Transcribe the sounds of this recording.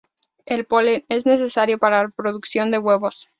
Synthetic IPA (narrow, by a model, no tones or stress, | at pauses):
e̞lpo̞lene̞zne̞s̬e̞saɾjo̞paɾalapɾo̞ðuksjo̞nd̪e̞ɣwe̞βo̞s